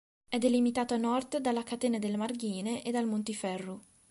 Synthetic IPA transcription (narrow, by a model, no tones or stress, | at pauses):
ɛd̪ːelimit̪aːt̪oanːɔrd̪d̪alːakat̪eːnad̪elemarɡiːneʔed̪ːalmont̪ifɛrːo